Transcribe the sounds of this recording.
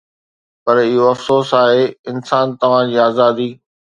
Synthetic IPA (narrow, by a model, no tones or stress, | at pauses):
pɐɾɪɦoɐfsoːsaːɦeːɪnsaːnt̪ɐʋ̤ãd͡ʑiːaːzaːd̪iː